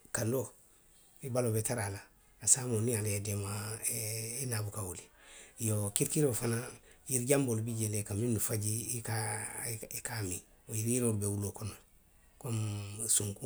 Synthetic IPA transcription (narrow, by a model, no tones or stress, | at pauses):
kando | ibalobetaɾalaː | samonialeedema | enabukawolijokiɾkiɾofana | jiɾɟambolbiɟelekaminːufaɟika | ikami | ojiɾiɾobewulokona | komsuŋku